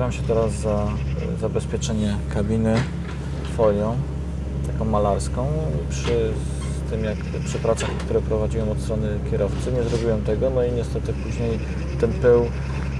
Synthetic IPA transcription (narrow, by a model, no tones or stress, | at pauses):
vamɕɛt̪ɛɾazːa | zabɛspʲjɛt͡ʂɛɲɛkabʲinɘ | fɔlɲɔ̃w̃ | t̪akɔ̃w̃malaɾskɔ̃w̃pʂɘ | st̪ɘmjak | pʂɛpɾat̪ʂaxkt̪uɾɛpɾɔvad͡ʑiwɔ̃w̃ɔt̪st̪ɾɔnɘkʲjɛɾɔft̪sɘɲɛzɾɔbʲiwɔ̃w̃t̪ɛɡɔnɔiɲɛst̪ɛt̪ɘpuʑɲej | t̪ɛnpɘw